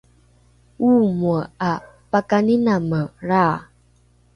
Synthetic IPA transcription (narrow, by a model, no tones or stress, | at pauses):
umuəa | pakaninaməraː